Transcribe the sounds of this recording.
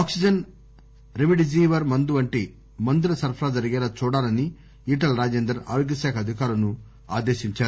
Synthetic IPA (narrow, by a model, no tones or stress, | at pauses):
aːksid͡ʒɐn | ɾimiɖid͡ʒiːʋɐɾmɐnd̪uʋɐɳʈi | mɐnd̪iɾɐsɐɾpʰɐɾaːd͡ʒɐɾɐɡɛːlɐt͡ʃɔːɽaːɾɐni | iːʈɐlɾaːd͡ʒeːnd̪ɾɐa̰ːɾoɡɐsaːkʰɐd̪ʱikaːɾɐnu | a̰ːd̪eːʃiɲt͡ʃaːɾu